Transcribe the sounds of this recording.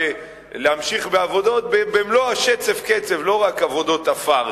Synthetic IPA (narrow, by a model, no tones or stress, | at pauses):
e | leamʃiχbeavo̞d̪o̞t̪̚bebemloaʃet͡se̞fket͡se̞vlo̞ʁakavo̞d̪o̞t̪afaʁ